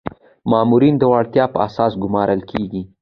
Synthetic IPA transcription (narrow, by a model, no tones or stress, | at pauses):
mɑmuɾind̪əwɑɽt̪jɑpə̰asɑsɡʊmɑɾəlkʰeɡi